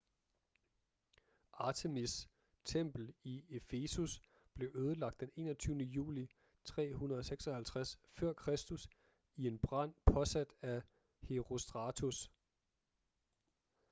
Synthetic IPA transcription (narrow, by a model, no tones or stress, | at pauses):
ʔɑ̈t͡sʰe̝mis | t͡sʰem̰b̥l̩iefe̝sus | b̥le̝ʔøːð̞ˠəlɑ̈ɡ̥̚d̥ene̝̰ːnɒt͡sʰyːʊnəjṵːli | t͡sʰʁɛ̰ːɦunɐð̞ˠɒseɡ̥sɒ̽hælt͡sʰʁasfɶɐ̰kʰʁɛsd̥us | ie̝nb̥ʁɑn̰pʰɒ̽sæd̥æ | he̝ʁo̝sd̥ʁɑ̈t͡sʰus